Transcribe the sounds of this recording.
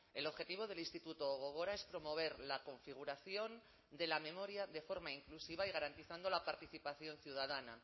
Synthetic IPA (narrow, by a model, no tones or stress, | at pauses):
e̞lo̞βxe̞t̪iβo̞ðe̞linst̪it̪ut̪oːɣ̞oɣ̞o̞ɾaespɾo̞mo̞β̞e̞ɾlako̞ɱfiɣ̞uɾaθjo̞n | d̪e̞lame̞mo̞ɾjaðe̞fo̞ɾmaiŋklusiβ̞aiɣ̞aɾant̪iθand̪o̞lapaɾt̪iθipaθjo̞nθjuð̞að̞ana